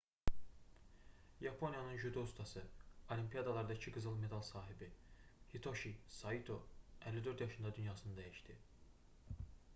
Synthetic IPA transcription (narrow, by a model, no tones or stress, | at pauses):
jɑpʰo̞njɑnɯnʒyd̪oust̪ʰɑsɯolimpʰijɑd̪ɑlˠɑɾd̪ɑcʰiɡɯzɯlˠme̞d̪ɑlˠsɑːɦibihit̪ʰo̞ʃisɑit̪ʰo̞ælːid̪ø̞ɾd̪jɑʃɯnd̪ɑd̪ynjɑːsɯnɯd̪æjiʃt̪i